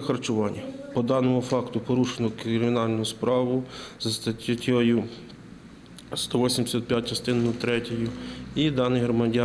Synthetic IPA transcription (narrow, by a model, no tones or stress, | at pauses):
xɐrt͡ʃʊʋɑnʲːɐpɔd̪ɑnɔmʊfɑkt̪ʊpɔɾuʃenɔkɾɪmʲinɑlʲnʊjʊspɾɑʋʊzɐst̪ɐtʲtʲjɔjʊ | st̪ɔʋɔsʲimd̪ʲɪsʲɐt̪̚pʲjat̚ʲt͡ʃɐst̪ɪnʊt̪ɾɛtʲɔjʊid̪ɑnɪjɦɾɔmɐdʲɑ